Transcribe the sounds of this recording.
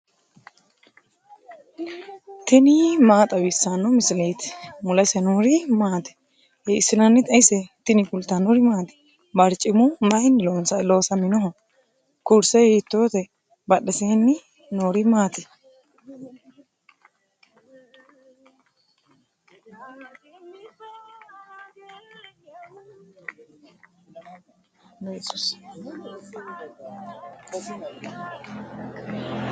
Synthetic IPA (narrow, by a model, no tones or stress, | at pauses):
t̪ɪnimaːt̪ʼɐwɪsːanːɔmɪsɪlejt̪mʊlɐsɛnuːɾɪmaːt̪ɛ̥ | hɛɪsːɪnɐnːɪt̪ʼɐsɛt̪ɪnɪkʊlt̪ːanɔɾɪmaːt̪ɛ̥ | bɐɾt͡ʃʼːɪmʊmɐjɪnːɪlonsɐlo̞ːsɐmɪnɔɦɔ | kʊɾsɛhet̪ːoːt̪ɛ | bɐɗːɛseːnːɪ | noːɾɪmaːt̪ɛ | ɛsus